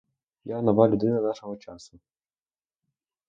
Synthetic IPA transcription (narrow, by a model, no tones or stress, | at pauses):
janɐʋɑlʲʊd̪ɪnɐnɑʃɔɦɔt͡ʃɑsʊ